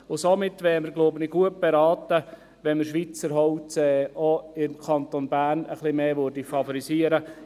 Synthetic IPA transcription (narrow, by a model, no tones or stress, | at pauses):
ʊsomɪtːʋɛːɾməɾɡlobənɪɡuət̚b̥eɾɑːt̪ə | ʋɛnməɾʃʋit͡səɾɦɔʊtɛɔɪmkʰɑnt̪onbæːnə̰χlɪmeːʋøɾdifɑfɔɾisiəɾə